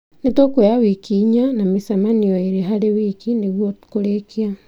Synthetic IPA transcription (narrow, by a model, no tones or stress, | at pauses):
netokweawikiɲanamisamaniɔeɾeɦaɾewiːkineɣwokoɾekia